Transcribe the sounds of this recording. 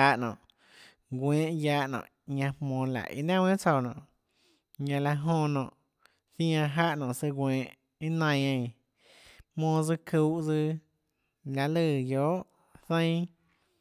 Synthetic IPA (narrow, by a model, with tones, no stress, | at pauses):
a˧˦ʔnɔ̰̃ː˨ʔ | ɡwẽː˨˦ʔjaː˧˦ʔnɔ̰̃ː˨ʔ | ɲã˧hmõː˧˨la̰˨ʔḭ˧nã˦wẽ˦t͡so˧˨nɔ̰̃ː˨ | ɲã˧la˧ɦõ˧nɔ̃ː˨ʔ | θj̃ã˧ɦa˦ʔnɔ̃ː˨sɨ˧ɡʷwẽː˨ʔ | i˦nã˧j̃ã˧˨ | mõː˧d͡zɨ˧kʰu˧˦ʔd͡zɨ˧ | la˧lɨ˧˨joː˨˦ʔ | θə̃˦j̃